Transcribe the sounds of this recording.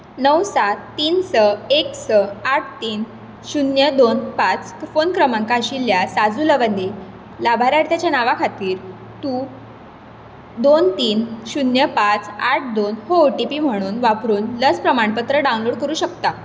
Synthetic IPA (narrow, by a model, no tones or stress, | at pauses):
nəwsat̪ːiːnsəeksəaʈ̚ʰt̪iːn | ɕunjəd̪onpat͡s | fonkɾəmãŋkaɕiljasad͡zuləʋənd̪i | labʱaɾaɽt̪jat͡ɕjanaʋakʰat̪iːɾ | t̪u | d̪ont̪iːnɕunjəpat͡saʈ̚ʰd̪onhoːʈipiːm̤əɽ̃uːnʋapɾuːnləspɾəmaɳpət̪ɾəɖaunloɽkəɾuːɕəkt̪a